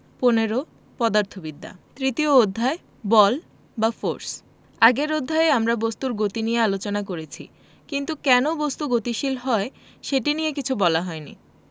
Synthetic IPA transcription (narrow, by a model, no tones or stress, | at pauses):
poneɾo | pɔd̪aɾt̪ʰobid̪ʱːa̰t̪ɾit̪iood̪ʱːae | bɔl | bafoɾs | aɡeɾod̪ʱːaeeamɾabost̪uɾɡot̪inijealot͡ɕonakoɾet͡ɕʰḭ | kint̪ukɛnobost̪uɡot̪iʃilɦɔe | ʃeʈiniekit͡ɕʰubɔlaɦɔenḭ